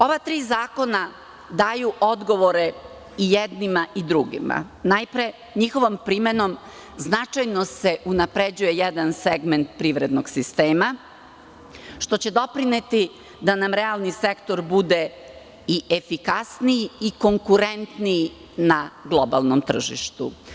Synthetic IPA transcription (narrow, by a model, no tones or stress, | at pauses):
o̞ʋat̪ɾiːzaːko̞na | d̪aːjuʔo̞d̪ɡo̞ʋo̞ɾe̞ | ijed̪nimaʔid̪ɾuɡḭma̰najpɾe̞ | ɲixo̞ʋo̞mpɾime̞no̞m | znat͡ʂajno̞se̞ʔunapɾed͡ʑuje̞jed̪anseɡme̞nt̪̚pɾiʋɾed̪noɡsist̪e̞ːma | ʃt̪o̞t͡ɕe̞d̪o̞pɾinet̪i | d̪anamɾealˠnise̞kt̪o̞ɾbud̪e̞ | iʔefikasnijiiko̞ŋkuɾent̪nij | naɡlˠo̞ba̰lˠnomt̪r̩ʒḭʃt̪u